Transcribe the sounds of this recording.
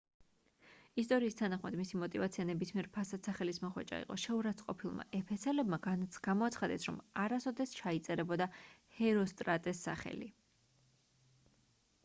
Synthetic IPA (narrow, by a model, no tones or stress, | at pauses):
ist̪ʼɔɾiːst̪ʰanaχma̰d̪misimɔt̪ʼivat̪sʰianɛbismiɛɾpʰasat̪saχɛlismɔχwɛ̰t͡ʃʼa̰ḭqʼɔ̰ʃɛuɾat̪sʰʼqʼɔpʰilˠma̰ʔɛpʰɛsʰɛlɛbmaɡanɡ̥amɔat̪sʰχad̪ɛ̰sɾɔ̰maɾasɔd̪ɛst͡ʃʰait̪sʼɛɾɛbɔd̪ahɛɾɔst̪ʼɾat̪ʼɛsːaχɛ̰lḭ